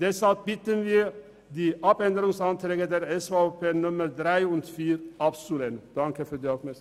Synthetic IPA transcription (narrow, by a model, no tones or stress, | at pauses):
d̪ɛshɑlp̚bɪt̪ənʋiː | d̪iːʔɑpɛnd̪əɾʊŋsɑnt̪ʰɾeːɡəd̪eɾɛsfɑpʰeːnʊməɾd̪ɾæɪʊnt̪fiːɾʔɑpsulend̪̥ɑŋkəfɔɾd̪iːɑfmæ